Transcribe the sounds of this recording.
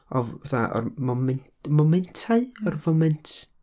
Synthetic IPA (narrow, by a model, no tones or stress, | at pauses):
ɔvaθaʔɔ̰rmɔmɛn | mɔmɛntʰaɨɔrvɔmɛntʰ